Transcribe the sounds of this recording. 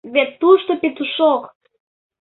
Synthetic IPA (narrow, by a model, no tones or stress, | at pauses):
βet̪ːuʃt̪opet̪uʃok